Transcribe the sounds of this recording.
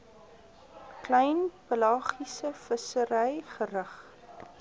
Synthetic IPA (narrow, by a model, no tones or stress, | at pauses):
klɛjnpəlɑːχisəfəsəɾɛjχərəχ